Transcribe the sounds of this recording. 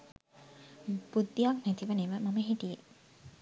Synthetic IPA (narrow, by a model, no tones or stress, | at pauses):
b̥ud̪ːijaknæt̪iʋəneʋəmɐməɦiʈije